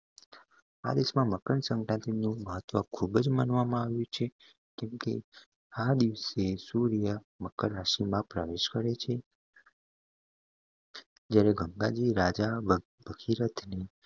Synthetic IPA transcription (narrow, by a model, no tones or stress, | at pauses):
a̰d̪eʃmãməkəɳsə̃ŋkɾãnt̪inũməɦət̪ːʋəkʰubd͡ʒmanʋamãaʋjũt͡ʃʰe | kɛmkḛ | ad̪iʋsesuɾijə | məkəɾɾaʃimãpɾaʋeʃkəɾet͡ʃʰe | d͡ʒjaɾeɡəŋɡad͡ʒiɾad͡ʒa | bəɡʰiɾət̪ʰne